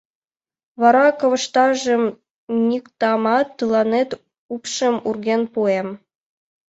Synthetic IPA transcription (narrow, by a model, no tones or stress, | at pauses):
βɑɾɑkɤ̆ʋɤ̆ʃt̪ɑʒĕm | nʲikt̪ɑmɑt̪ːɯlˠɑnet̪ | upʃə̆murɡʲenpuem